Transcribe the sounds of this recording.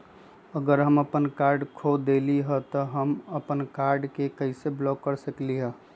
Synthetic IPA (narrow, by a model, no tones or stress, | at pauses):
əɡəɾɦəməpənkaɾɖkʰod̪eliɦət̪ɔɦəməpənkaɾɖkekəɪseblɔkːəɾsəkliɦə